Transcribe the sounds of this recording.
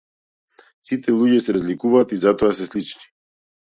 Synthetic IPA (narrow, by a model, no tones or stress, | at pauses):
sit̪ʰɛlˠuɟɛsɛɾazlikuvaːt̪izat̪ɔas̬ɛslit͡ʃni̥